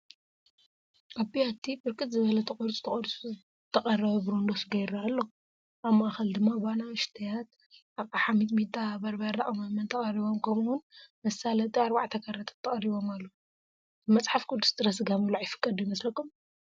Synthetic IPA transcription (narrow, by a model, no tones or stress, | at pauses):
ʔabijat̪ʰːibɨɾkʼɨt̪zɨβɐlɐt̪ʰɐkʼoɾt͡sʼu̥t̪ʰɐkʼoɾ | t̪ʰɐχʼɐrɐβɐbɨɾond̪osɡɐjɾalːo | ʔaβmaʔaxɐld̪ɨmːaβanaɨʃt̪ʰɐjat̪̚ | ʔaβkaħamit̪mit̪ʼːabɐɾbɐɾːaʔʼɐmamɐnt̪ʰɐχʼɐriβo̞mkʰɐmwʊnmɐsalɐt̪ʼiaɾbaʕt̪ʰɐkʰɐrːɐt̪ʰɐ̥t̪ʰːɐχʼɐɾiβo̞malːo | bɨmɐt͡sʼħafkʰʼod̪u̥st̪ʼɨɾɐsɨɡamɨlaʕjɪfɨ̥kʼːɐd̪ujimɐslɐkːum